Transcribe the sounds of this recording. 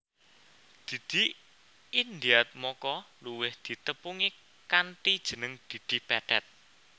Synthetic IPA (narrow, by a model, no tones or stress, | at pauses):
d̪̥i̤d̪̥i̤ | ind̪iat̪̚mɔkɔluwɪhd̪̥i̤t̪əpuŋi | kant̪id̥ʒ̥ə̤nəŋd̪̥i̤d̪̥i̤pɛɖ̥ɛt̪̚